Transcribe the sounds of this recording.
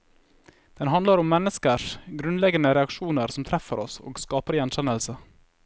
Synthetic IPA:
d̪̥ɛnɦɑnd̪ləɾʊmːɛnːəskəʂɡɾʉnlɛɡənəɾɛɑkʃuːnəɾsɔmt̪ʰɾɛfəɾɔso̰ːɡskɑːpəɾjɛnçɛnəlsə

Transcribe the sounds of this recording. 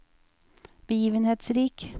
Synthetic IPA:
b̥əjiːʋənheːt̪sɾiːk

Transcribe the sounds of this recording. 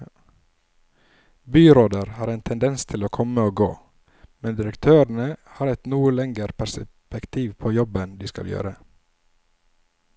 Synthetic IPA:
byːɾoːd̪əɾhɑːɾɛːnt̪ʰɛnd̪ɛnst̪ʰɪloːkʰɔməoːɡo̰ː | mɛnd̪ɪɾəkt̪ʰøːɾɳəhɑːɾɛt̪nuːəlɛŋɡəɾpʰæsə | pəkt̪ʰiːʋpʰoːjɔbənd̪iːskɑ̰ljø̰ːɾə

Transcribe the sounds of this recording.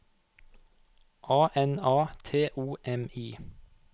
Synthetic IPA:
ʔɑːʔɛnɑːt̪ʰeːʔuːʔɛmiː

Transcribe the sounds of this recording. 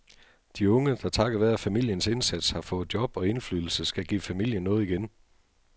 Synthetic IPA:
d̥iɔ̽ŋəd̥ɑ̈t͡sʰɑ̈ɡ̥ɐʋæðˠæfæmil̰jənse̝nsæd̥shɑ̈fɔ̽ːð̩ˠd̥jɒ̽b̥ɒ̽e̝nflyðˠl̩səsɡ̥æɡ̥ḭːfæmil̰jənːɔ̽ːð̩ˠiɡ̥en

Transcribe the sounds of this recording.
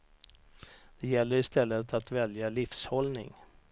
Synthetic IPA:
d̪̥ɛjɛlːəɾɪst̪ɛlːət̪ʰat̪vɛljalɪfshɔlnɪ̰ŋ

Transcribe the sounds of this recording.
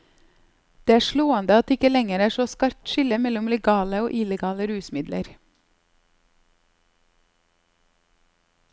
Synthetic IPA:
d̪̥eːæːʃɭoːənd̪əɑt̪ɪkəlɛŋəɾæːʃoːskɑɾ̚t̪ʃɪləmɛlʊmlɛɡɑːləoːʔɪləɡɑːləɾʉːsmɪd̪lə̰ɾ

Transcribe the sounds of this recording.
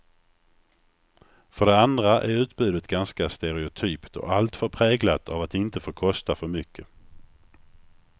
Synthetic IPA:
fœɖɛand̪ɾaʔæ̰ɾʉ̟ːt̪bʉ̟ːd̪ət̪ɡanskast̪ɛɾɛʊt̪ʰyːpt̪ʰɔ̰ʔalt̪fœɾpʰɾɛːɡlat̪ʰavat̪ɪnt̪əfoːkʰɔst̪afœɾmʏkʰːə

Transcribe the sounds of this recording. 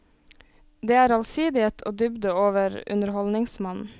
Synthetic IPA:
d̪eːæːɾɑlsiːd̪ɪeːt̪ʰo̰ːd̪ʏbd̪əoːʋəɾʉ̰nəɾhɔlnɪŋsmɑnn̩

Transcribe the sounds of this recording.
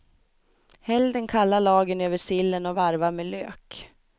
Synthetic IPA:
hɛld̪ənkʰalːaɭɑːɡənøːvəʂɪlːənɔvaɾvameːlø̰ːk

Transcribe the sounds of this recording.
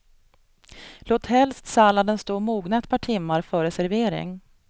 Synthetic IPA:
loːt̪hɛlst̪salad̪ənst̪oːmuːɡnaɛt̪̚pʰɑːʈʰɪmːaɾfœɾɛsæɾveːɾɪ̰ŋ

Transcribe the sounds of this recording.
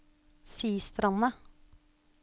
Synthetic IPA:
siːst̪ɾʔɑnə

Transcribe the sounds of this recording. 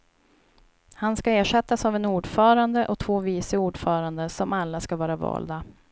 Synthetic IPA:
hanskaeːʂɛt̪ːasavɛnuːɖfœːɾand̪əʔɔt̪ʰvoːviːsəuːɖfœːɾand̪əsɔmalːaskavɑːɾavɑ̰ːld̪a

